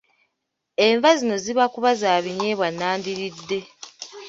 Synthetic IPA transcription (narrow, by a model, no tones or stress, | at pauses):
e̞ɱvazino̞ziβakuβazaːβiɲe̞ːβwanːaːndiɾidːe̞